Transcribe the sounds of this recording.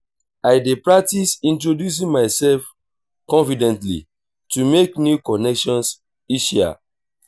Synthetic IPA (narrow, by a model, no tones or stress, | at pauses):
aɪdepɹak̚tisĩntɹodjus̬ĩŋmaɪsɛlf | kɔ̃nfidɛ̃ntlḭ | tumeknjukɔnɛkʃɔ̃ns | iʃia̰